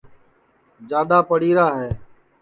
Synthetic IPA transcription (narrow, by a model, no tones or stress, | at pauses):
d͡ʒaːɗaːpəɽiːɾaːɦɛː